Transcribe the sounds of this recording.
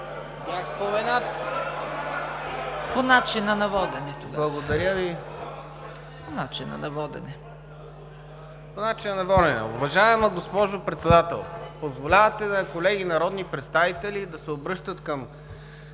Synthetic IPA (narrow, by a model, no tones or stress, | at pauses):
bjaxspomɛnat̪ | ponat͡ʃinɐnɐvɔd̪ɛnɛt̪oblˠɐɡod̪ɐɾjəvi | ponat͡ʃinːɐ̰nɐvɔd̪ɛ̰nɛ | ponat͡ʃinɐnɐvɔlɛnɛ̰ʊ̰vɐʒaɛmɐɡospɔʒopɾɛt̪sɛd̪at̪ɛ̰lˠpozvolʲavət̪ɛnɐkolɛɡinɐɾɔd̪nipɾɛt̪st̪avit̪ɛlid̪ɐsɛobɾɤʃt̪ət̪kɐm